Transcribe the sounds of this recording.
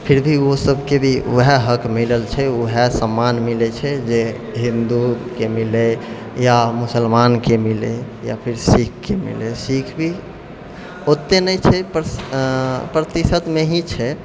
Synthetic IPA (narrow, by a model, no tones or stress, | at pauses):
pʰiɾbʱiosəbʱkebʱiṵɦɛɦəkʰmiləlt͡ʃʰɛuɦɛsəmːanmilɛt͡ʃʰɛd͡ʒe | ɦĩnd̪ukemile | jamusəlmankemile | japʰiɾsikʰkemḭlesikʰbʱi | ot̪ːenəjt͡ʃʰɛp | pɾət̪isət̪meɦĩt͡ʃʰɛ